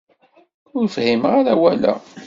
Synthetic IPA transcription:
ʊɾfhimʁaɾæwælæ̰

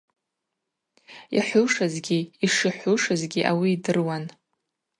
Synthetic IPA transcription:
ja̰ħʷʊʂazɡʲiːʂiħʷʊʂazɡʲiʔawiːdɨrwan

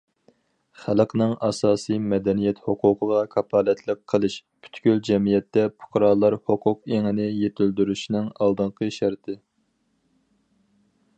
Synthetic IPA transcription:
χælqʰnɨŋɑsɑːsɨjmɛd̪ɛnijɛt̪hoqʰʊqʰəʁɑkʰɑpʰɑːlɛt̪ʰlˠəqʰːəlˠɨʃpʰy̥t̪kʲyld͡ʒɛmijɛt̪ːɛpʰʊ̥qʰɾɑːlˠːɑɾhoqʰʊqeŋɪnɪjet̪ʰyld̪yɾyʃinɪŋɑlˠd̪ɨɴqʰəʃæɾt̪ʰɪ

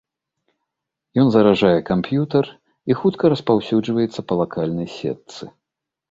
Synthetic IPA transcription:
jɔnzɐɾaʐajɛkampjut̪ɐr | ixut̪kɐɾɐspawsʲud͡ʐvɐjɛt̪sːɐpɐlˠakalʲnɐjsʲɛ̰t̪sɨ

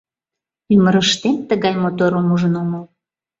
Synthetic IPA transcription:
yməɾəʃt̪ent̪əɣɑjmot̪oɾomuʒənomə

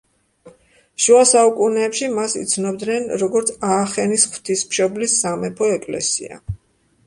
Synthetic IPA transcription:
ʃuasaukʼunɛːpʃimasḭt̪sʰnɔb̚d̪nɛnɾɔɡɔɾt̪sʰaːχɛnisχw̥t̪ʰismʃɔblisːamɛpʰɔɛkʼlɛ̰sḭa̰

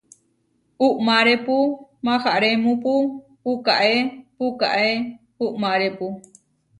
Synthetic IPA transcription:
uʔmaɾepumãhaʔɾemũpu | ukaʔepuka̰ʔe | uʔmãɾepu

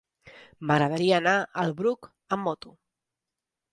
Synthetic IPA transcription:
məɣɾəð̞əɾiəːnaəlˠβɾuk | əmːɔt̪u

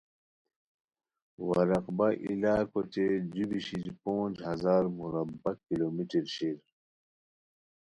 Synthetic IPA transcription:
wɐɾɐqbɐʔḭlaːkot͡ɕed͡ʑubiɕid͡ʑpõːnd͡ʑɦɐzaːɾmuɾɐbɐkiloːmiʈiɾɕiɾ

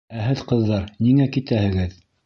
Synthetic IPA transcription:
æɦɘðqɤ̆ðːɑɾniŋækit̪æhɘ̆ɡɘð

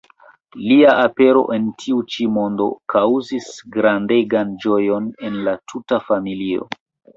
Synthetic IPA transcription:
liaʔape̞ɾo̞̰ʔe̞ntʰiut͡ʃimo̞ndo̞̰kawzisɡɾandeɡand͡ʒo̞jo̞ne̞nlatʰutafamilio̰

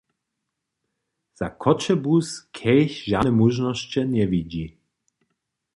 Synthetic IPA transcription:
z̥a̰kʰɔt͡ʃɛbuskʰɛjçʒanɛmuʒnɔst͡ɕɛɲɛviɟi

